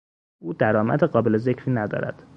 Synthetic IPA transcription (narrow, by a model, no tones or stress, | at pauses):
uːd̪æɾɒːmæ̰d̪eɢɒːbe̞leze̞cʰɾiːnæd̪ɒ̰ːɾæ̰d̪̥